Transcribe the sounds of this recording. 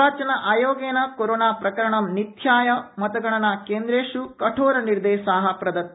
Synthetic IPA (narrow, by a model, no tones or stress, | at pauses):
aːt͡ʃɐnɐʔaːjoːɡeːnɐkoɾoːnaːpɾɐkɐɾɐɳɐmnit̪ʰjaːjɐmɐt̪ɐɡɐɳɐnakeːnd̪ɾeːʂukɐʈʰoːɾɐniɾd̪eːʃaːɦɐpɾɐd̪ɐt̪